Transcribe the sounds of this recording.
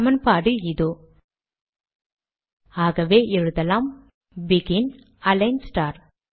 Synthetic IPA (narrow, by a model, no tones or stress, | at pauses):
ɐmɐnpaːɽɯɪðoː | aːɣɐʋeːʔɛɻɯðɐlaːm | bɪɣɪn | ɐlɐɪnsʈaːɾ